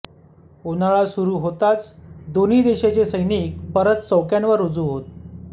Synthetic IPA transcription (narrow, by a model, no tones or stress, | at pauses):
onaɭasuɾuːɦot̪at͡sd̪oniːd̪eɕat͡ɕesəjnik̚pəɾət̪t͡səwkjanʋəɾod͡zuːɦot̪̚